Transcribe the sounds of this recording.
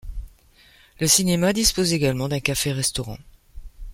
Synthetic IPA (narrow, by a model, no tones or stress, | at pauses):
ləsinemad̪ispozeɡalmɑ̃d̪ɛ̃kafeʁɛst̪ɔʁɑ̰̃